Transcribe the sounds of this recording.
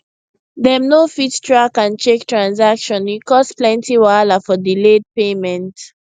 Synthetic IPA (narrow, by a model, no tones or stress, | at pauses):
ðɛmnofittɹakãnt͡ʃektɹãnsakʃɔ̃nikɔsplɛ̃ntiwalafɔdiled̚pemɛ̃nt